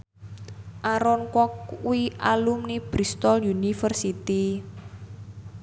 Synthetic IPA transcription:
ʔaɾɔnkɔkuiʔalumnib̥ɾist̪ɔljunifərsit̪i

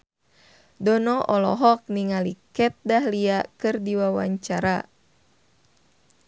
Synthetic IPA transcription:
dɔnɔʔɔlɔ̰ɦɔk̚niŋalikɛt̪̚daɦliakɨrdiwawa̰ɲt͡ʃaɾa

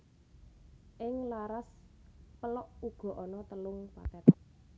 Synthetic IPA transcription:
ʔɪŋlaɾaspəlɔʔuɡ̥ɔ̤ʔɔnɔt̪əlʊŋpa̰t̪ɛt̪

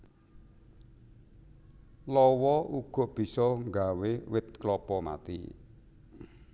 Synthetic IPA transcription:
lɔwɔuɡ̥ɔ̤ʔb̥i̤sɔŋɡawewɪt̪̚klɔpɔma̰t̪ḭ

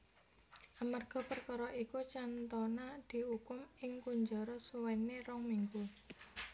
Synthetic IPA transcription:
ʔamarɡ̥ɔ̤pərkɔɾɔʔikut͡ʃant̪ɔnad̪̥i̤ukʊmɪŋkuɲd͡ʒɔɾɔsuwɛnːeɾɔŋmiŋɡu

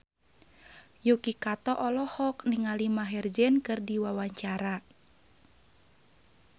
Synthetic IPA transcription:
jukikat̪ɔʔɔlɔhɔkniŋalimaɦɛrd͡ʒɛnkɨrdiwawaɲt͡ʃaɾa

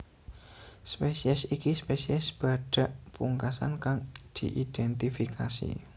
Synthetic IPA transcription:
spesiɛsikispesiɛsb̥a̤ɖ̥a̤ʔpuŋkasa̰nkaŋd̪̥iʔiɖ̥ɛnt̪ifikʰasḭ

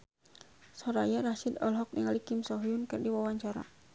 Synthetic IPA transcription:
sɔɾajaɾaʃidɔlɦɔk̚dɛŋalikimsɔɦiunkərdiwawaɲt͡ʃaɾa̰

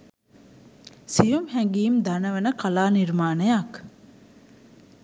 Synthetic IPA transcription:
sijumhɛŋɡiːmd̪anɐʋɐnəkɐlaːniɾmaːnəjak

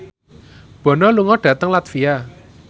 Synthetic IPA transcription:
b̥ɔ̤nɔluŋɔɖ̥ä̤t̪əŋlat̪fia

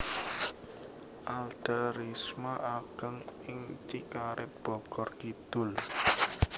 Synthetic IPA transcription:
ʔald̪̥əɾismaʔaɡ̥əŋɪŋt͡ʃikaɾɪt̪̚b̥ɔ̤ɡ̥ɔrkid̪̥ʊl

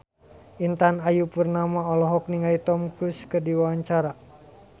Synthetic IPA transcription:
ʔint̪anajupurnamaɔlɔɦɔk̚niŋait̪ɔmkuskɨrdiwawaɲt͡ʃaɾa

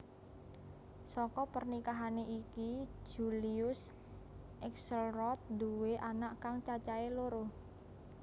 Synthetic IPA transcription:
sɔkɔpərnikaɦaneʔiki̥d͡ʒ̥uliʊs | ʔɛksəlrɔt̪̚d̪uweʔanaʔkaŋt͡ʃat͡ʃaeloɾo

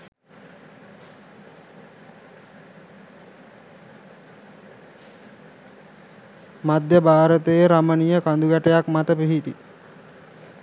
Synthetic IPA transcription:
mad̪jəbʱaːɾət̪əjeɾamənijəkand̪uɡæʈəjakmat̪əpiɦit̪i

